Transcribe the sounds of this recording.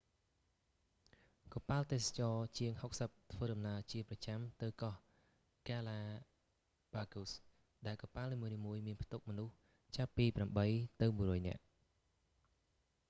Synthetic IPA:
kɑpaːəlt̪eːsḁt͡ɕɑːt͡ɕiəŋhok̚səp̚t̪ʰʋəːɗɑmnaəlt͡ɕiəprɑt͡ɕamt̪ɨwkɑh | kaːlaː | ɓaːkus | ɗaɛlkɑpaːlniːmuəniːmuəjmiənpʰt̪uk̚mɔnuh | t͡ɕapːiːpramɓəjt̪ɨwmuərɔːjnɛ̰̆əʔ

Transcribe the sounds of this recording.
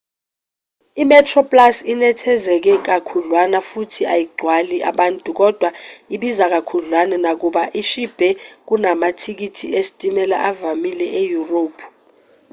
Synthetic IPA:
imɛtʰrɔpʼlasinɛtʰɛzɛk̬ɛk̬akʰuɮwanafutʰiajiɡ͡ǀʱwaliʔa̰ɓantʼuk̬ʼɔd̥ʱwaiɓizak̬akʰuɮwanɛnak̬uɓaʔiʃib̥ʱɛk̬unamatʰik̬itʰḭesi̥tʼimɛla̰ʔavamilɛʔejuroːpʰu̥

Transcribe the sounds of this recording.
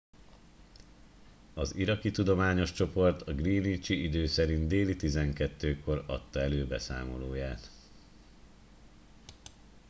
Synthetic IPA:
ɒziɾɒkit̪ud̪o̞maːɲo̞ʃt͡ʃo̞po̞rt̪ɒɡriːnit͡ʃiʔid̪øːsɛɾind̪eːlit̪izɛŋkɛt̪ːøːko̞ɾɒ̰t̪ːɒɛløːbɛsa̰ːmo̞loːjaːt̪

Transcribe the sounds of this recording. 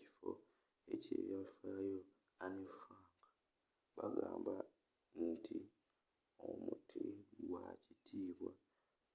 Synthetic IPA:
i̥fo̰ | ecḛːβjafaːjo | anefaːŋkḁ | βaɡaːmba | n̩tʰi | omutʰiwacitʰiːβwa̰

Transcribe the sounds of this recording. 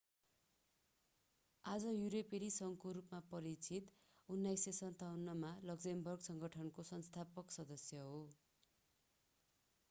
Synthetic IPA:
ad͡zʌjuɾepeɾisʌŋkoɾupmapʌɾit͡sʰit̪ | unːajsesʌnt̪awnːʌmalʌɡd͡zembʌrɡsʌŋɡʌʈʰʌnkosʌnst̪ʰapʌksʌd̪ʌsjʌɦo

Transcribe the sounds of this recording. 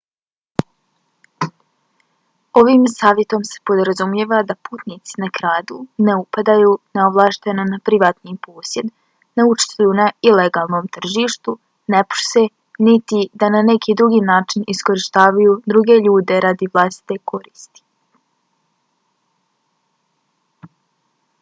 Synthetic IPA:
o̞ʋiːmsaːʋjet̪o̞mse̥po̞d̪ɾazumje̞ːʋad̪apuːt̪nit̪si̥nakɾaːd̪une̞upad̪ajuːneoʋlˠaʃt̪enonapɾiʋaːt̪niːpo̞ːsje̞d̪ | naut͡ʃt̪ujunaileɡaːlˠno̞ːmt̪r̩ʒiːʃt̪u | nepu̥se | nit̪id̪anane̞kʰiːd̪ɾuɡiːnaːt͡ʃinisko̞ɾiʃt̪aːʋajuːd̪ɾuɡe̞ʎuːd̪e̞ɾad̪iʋlˠast̪i̥t̪e̞kʰo̞ɾiːst̪i̥

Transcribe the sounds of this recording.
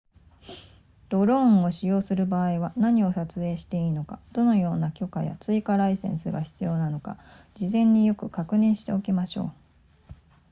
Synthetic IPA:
d̪̥o̞ɾõ̞ŋ̃o̞ɕijo̞ːsɨɾɯ̟baːiβanaɲ̟io̞sat͡sɨe̞ːɕi̥t̪e̞iːno̞kad̪̥o̞no̞jo̞ːnakʲo̞kaja̰t͡sɨikaɾaisẽ̞̰ɰ̃sɨɡaçi̥t͡sɨjo̞ːnano̞ka̰ | d͡ʑizẽ̞ɲ̟ːijo̞kɯ̟kakɯ̟nẽ̞ɰ̃ɕi̥t̪e̞o̞kʲimaɕo̞̰ː

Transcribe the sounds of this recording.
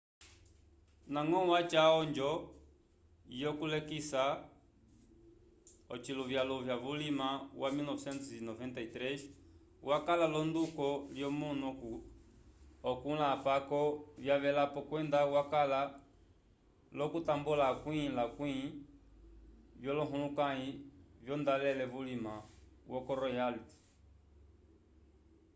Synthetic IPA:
naŋɔwat͡ʃaɔɲd͡ʒɔ | jɔkulɛkisa | ɔt͡ʃiluvjalɔvjavulimawʔamilnɔvsɛntsinɔvɛntait̪ɾɛs | wakalalɔndukɔljɔmunuk | ɔkulapakɔvjaβɛlapɔkwɛndawakala | lɔkutambulakwĩlakwi | vjɔlɔɦulukaivjɔndalɛlɛvulimawʔɔkɔɾɔjaliti̥

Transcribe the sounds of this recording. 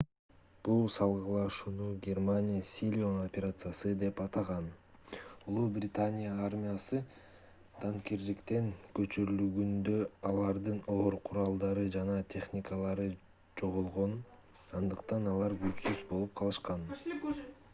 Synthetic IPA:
b̥ulˠsɑlˠʁɯlˠɑʃuːnuɡʲermanʲijasʲilʲiono̞pʲeɾat̪sɨjasɯd̪e̞pɑt̪ɑʁɑn | ulˠubrʲɪt̪anʲijaarmʲijasɯ | t̪ʰɑŋkiɾd̪ikt̪e̞ŋkø̞t͡ʃyɾylyɡynd̪ø̞ɑlˠɑɾd̪ɯno̞ɾqʰuɾɑlˠd̪ɑɾɯd͡ʒɑnɑt̪ʲʰe̞χnʲikəlˠɑɾɯ | d͡ʒo̞ʁolˠʁo̞n | ɑnd̪ɯqt̪ɑnɑlˠɑɾɡøt͡ʃsysbo̞lˠup̚qʰɑlˠɯʃqɑn

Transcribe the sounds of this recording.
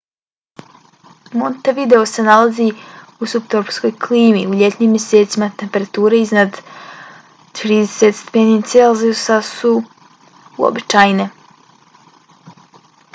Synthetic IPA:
mo̞nt̪aʋid̪e̞ose̞nalazi | usupt̪oɾpsko̞jkʰliːmiuʎet̪ɲimje̞seːt̪simat̪empe̞ɾat̪uːɾeiznad̪ | t̪ɾiːd̪eset̪st̪e̥penit̪selziusasu | uo̰bit͡ʃajne̞

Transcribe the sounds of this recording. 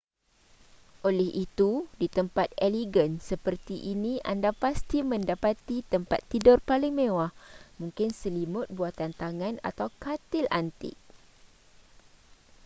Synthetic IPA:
ʔolɛhʔit̪udit̪əmpat̪̚ɛliɡənsəpərt̪iʔinĩʔa̰ndapast̪imə̃ndapat̪it̪əmpa̰t̪ːidɔrpaliŋmẽwahmũŋkɪnsəlimʊt̪̚buat̪ant̪aŋãna̰t̪awkat̪ɪlʔant̪ɪ̰k̚

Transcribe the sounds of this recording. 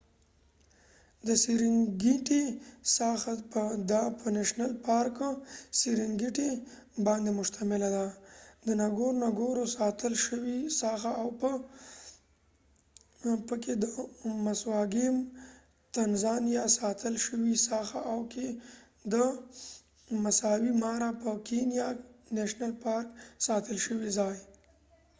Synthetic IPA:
d̪əsiɾɪŋɡiʈisɑxapəd̪apʰənaʃnalpɑɾksiɾɪŋɡiʈe | bɑnd̪emʊʃt̪ʰamɪlad̪ad̪ənaɡoɾnaɡoɾosɑt̪əlʃəwisɑxaːwpə | pəked̪əmaswɑɡim | t̪anzɑnjɑsɑt̪əlʃəwisɑxaʔawke | d̪ə | masɑwimɑɾapəkenjaneʃnalpɑɾksɑt̪əlʃəwizɑj

